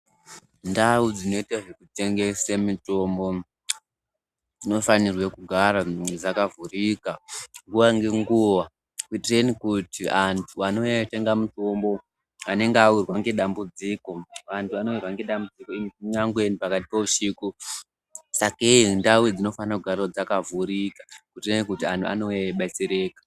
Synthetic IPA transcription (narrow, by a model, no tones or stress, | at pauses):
ndaud͡zino̞itaʐe̞kute̞ŋɡe̞semuto̞mbo̞ | d͡zino̞fanirwekuɡʱaɾaed͡zakavurikaŋɡuʋaŋɡe̞ŋɡuʋa | kuitire̞nikutiantʰuano̞te̞ŋɡamuto̞mbo̞ | ane̞ŋɡawurwaŋɡe̞ɗambud͡ziko̞ʋantʰuʋano̞irwaŋɡe̞ɗambud͡zikoimiuɲaŋɡwe̞nipakat̬i̥pouʃiku | sakendawid͡zino̞fanirakuɡʱarrod͡zakavuɾikḁkutirenikutia̰ntʰua̰noeɓaseɾe̞ːkḁ